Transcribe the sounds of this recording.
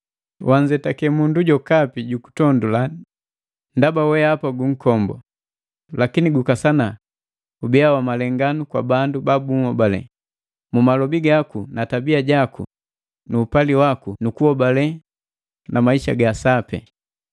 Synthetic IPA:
wʔaɲd͡ʒɛtakɛmunduɟɔkapiɟuku̥tɔndula | ndabawɛaapaɡuŋ̩kɔmbɔ̰ | lakiniɡukasana | ubɛawamalɛŋɡanukwa̰bandubabuŋ̩hɔbalɛ̰ | mumalɔbiɡakunatabiaɟakṵ | nuːpaliwakunukuhɔbalɛ | namaiʃa̰ɡasapɛ̰

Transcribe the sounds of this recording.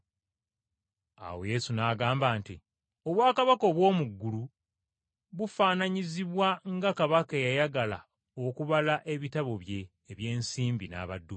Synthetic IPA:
a̰we̞̰je̞sunaːɡaːmbaːnti | o̞βwaːkaβako̞βwo̞ːmuɡːulu | βufaːnaɲiziβwaŋɡakaβakejajaɡala̰ | o̞kuβalaʔe̞βitaβo̞βje̞ː | βje̞ːnsiːmbina̰ːβadːu

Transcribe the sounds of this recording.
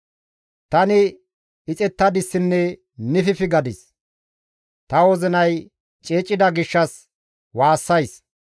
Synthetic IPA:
t̪ɐnɪ | ɪt͡sʼɛt̪ːɐd̪ɪsːɪnːɛ | nɪfɪfɪɡɐd̪ɪs | t̪ɐwɔzɪnɐj | t͡ʃʼeːt͡ʃʼːɪd̪ɐɡɪʃːɐs | waːsːɐjs

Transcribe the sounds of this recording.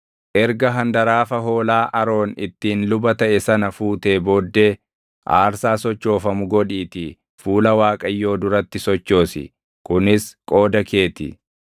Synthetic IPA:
ʔɛɾɡɐɦɐnd̪ɐɾaːfɐɦo̞ːlaːʔɐɾo̞ːnɪ̰t̪ːiːnlʊbɐt̪ɐʔɛsɐnɐfuːt̪eːbo̞ːd̪ːe̞ː | ʔaːɾsaːsɔt͡ʃːo̞ːfɐmʊɡɔᶑiːt̪ɪ | fuːlɐwaːkʼɐjːo̞ːd̪ʊɾɐt̪ːɪsɔt͡ʃːo̞ːsɪ̰ | kʊnɪskʼo̞ːd̪ɐke̞ːt̪ɪ̰

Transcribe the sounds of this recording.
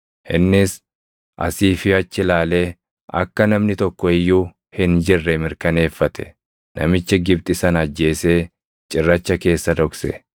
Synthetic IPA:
hɪ̰nːɪs | ʔɐ̰siːfɪɐt͡ʃːɪlaːle̞ː | ʔɐ̰kːɐnɐmnɪt̪ɔkːɔɪjːuː | hɪnd͡ʒɪrːɛmɪɾkɐne̞ːfːɐt̪ʰɛ̥ | nɐ̰mɪt͡ʃːɛɡɪbt̪ʼɪsɐnɐd͡ʒːe̞ːse̞ː | t͡ʃʼɪrːɐt͡ʃːɐke̞ːsːɐd̪ɔksɛ̰

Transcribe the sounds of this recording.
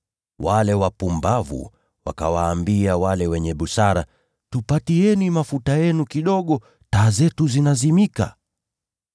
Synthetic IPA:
walɛwapumbavṵ | wa̰ka̰waːmbiawalɛwɛɲɛɓusaɾa | tupatiɛnimafutajɛnukiɗɔɠɔ | taːzɛtuzinazimika̰

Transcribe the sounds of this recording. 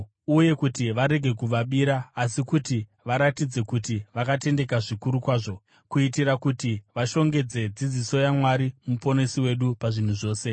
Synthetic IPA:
uje̞kutiʋaɾe̞ɡʱe̞kuʋaɓiɾaːsikuti | ʋaɾatid͡ze̞kutiʋakate̞nde̞kaʐikuɾukwaːʐo̞ | kuitirakutiʋaʃo̞ŋɡe̞d͡ze̞d͡zid͡ziso̞jamwaɾimupo̞ne̞siwe̞ɗupaʐin̤uʐo̞ːse̞

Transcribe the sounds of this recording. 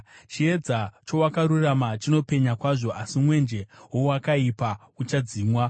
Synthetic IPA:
t͡ʃie̞d͡zat͡ʃo̞wakaɾuramat͡ʃino̞pe̞ɲakwaʐo̞ʔasimwe̞nd͡ʒe̞ɦowakaipa | ut͡ʃad͡ziːmwa

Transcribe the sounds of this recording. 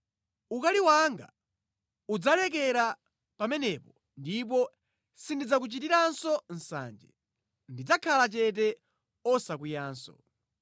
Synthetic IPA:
ukaliwaŋɡa̰ | ud͡zalɛk̬ɛɾa | pamɛnɛpɔ | ndip̬ɔ | sindid͡zak̬ut͡ʃitiɾansɔn̩sa̰nd͡ʒɛ̰ | ndid͡zakʰalat͡ʃɛt̬ɛ | ɔsak̬ujaːnsɔ̰

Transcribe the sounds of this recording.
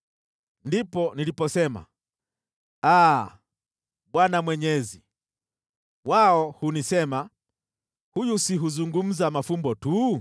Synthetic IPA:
ndipɔnilipɔsɛma̰ | a | ɓwanamwɛɲɛzi | waɔhunisɛma | hujusiɦuzuŋɡum̩zamafumbɔtu

